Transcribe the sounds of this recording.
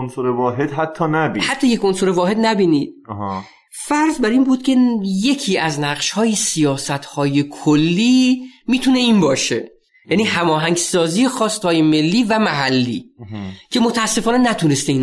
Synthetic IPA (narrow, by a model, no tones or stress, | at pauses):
onsoɾevɒːɦed̪̥ɦæt̪ʰːɒːnæbihæt̪ʰːɒːjekonsoɾevɒːhed̪næbiːniːd̪̥̚h | fæɾzbæɾiːnbuːd̪̥̚cʲʰe̞je̞cʰiːæznæʁʃhɒːjisijɒːsæt̪ʰhɒːjekʰolːiːmiːt̪ʰuːne̞iːnbɒːʃe̞ | jæniːɦæmɒːɦæŋɟsɒːziːje̞xɒːst̪hɒːje̞me̞lːiːvæmæɦælːiːcʰe̞mo̞t̪ʰæːsːe̞fɒːne̞næt̪ʰunest̪ein